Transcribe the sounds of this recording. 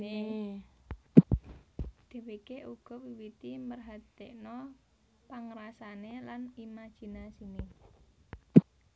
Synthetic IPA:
e | d̪̥e̤wekeʔuɡ̥ɔ̤wiwit̪imərɦat̪eʔnɔ | paŋɾasanelanimḁʒ̥i̤nasine

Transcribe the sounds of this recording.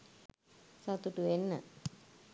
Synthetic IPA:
sat̪uʈuʋenːə̰

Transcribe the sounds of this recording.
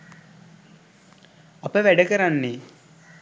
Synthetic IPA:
apəʋæɖəkəɾanːe

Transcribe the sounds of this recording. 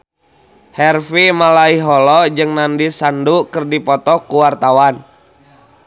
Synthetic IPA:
hɛrfimalaiɦɔlɔd͡ʒɨŋnandisandukɨrdipɔt̪ɔkuwart̪awan

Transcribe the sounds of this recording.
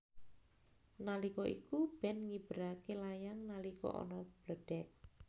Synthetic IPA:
nalikɔḭkub̥ɛ̤nŋib̥ɾakelajaŋnalikɔ̰ʔɔ̰nɔb̥ləd̥ɛk̚

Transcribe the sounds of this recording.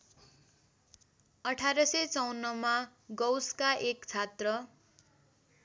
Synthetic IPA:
ʌʈʰaɾʌsʌt͡sʌwnːʌma | ɡʌwskaʔekt͡sʰat̪rʌ

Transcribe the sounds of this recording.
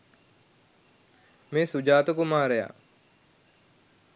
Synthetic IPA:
meːsud͡ʒaːt̪ukumaːɾeja̰

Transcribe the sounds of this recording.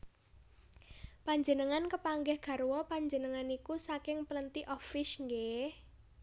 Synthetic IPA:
paɲd͡ʒənəŋankəpaŋɡɛhɡ̥a̤ɾwɔpaɲd͡ʒənəŋanikusakɪŋpələnt̪iʔɔfɪʃŋɡe

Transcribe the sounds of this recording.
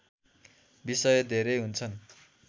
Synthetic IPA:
bisʌjʌd̪ʱeɾʌjɦunt͡sʰʌn

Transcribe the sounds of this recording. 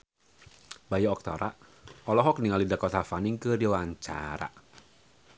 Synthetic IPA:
bajaɔk̚t̪ɔ̰ɾa̰ɔlɔɦɔk̚niŋalidakɔt̪afaniŋkɨdiwaɲt͡ʃa̰ɾa̰

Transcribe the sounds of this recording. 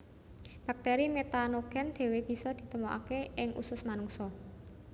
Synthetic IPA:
b̥a̤k̚t̪eɾimet̪anoɡ̥ɛ̤nd̪̥e̤web̥i̤sɔd̪̥i̤t̪əmoʔa̰keʔɪŋʔṵsʊsmanʊŋsɔ

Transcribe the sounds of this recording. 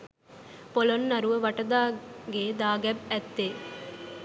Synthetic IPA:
pɔlɔnnɐɾɯʋɐʋɐʈːɐd̪aːɡeːd̪aːɡɐb̚ɛt̪ːeː

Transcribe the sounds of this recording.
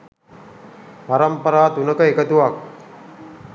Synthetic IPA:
paɾəmpəɾaːt̪unəkəekət̪uʋak̚

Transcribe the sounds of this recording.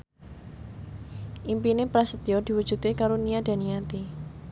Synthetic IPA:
ʔimpinepɾasət̪iɔd̪̥i̤wud̥ʒ̥ṳt̪ekaɾoniad̥a̤niat̪i

